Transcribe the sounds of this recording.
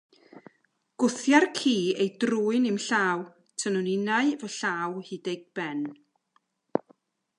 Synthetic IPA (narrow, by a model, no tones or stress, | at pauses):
ɡ̥ʊθjarkʰiːejdruːɨnimɬaːw | tʰənʊnɪnaɨvəɬaːwhideɡ̚b̥ɛn